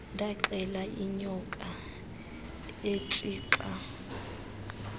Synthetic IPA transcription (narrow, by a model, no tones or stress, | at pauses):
ndʱaǁɛlaiɲɔkʼa | et͡sʼiːǁa